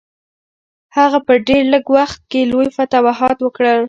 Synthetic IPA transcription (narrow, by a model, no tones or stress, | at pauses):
haɣapəɖeɾləɡwaxt̪̚kelojfat̪ɑwaɦɑt̪wəkɽəl